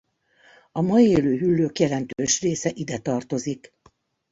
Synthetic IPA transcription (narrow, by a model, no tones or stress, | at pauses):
ɒmɒjieːløːɦylːøːkjɛlɛnt̪øːʃreːsɛʔid̪ɛt̪ɒrt̪o̞zik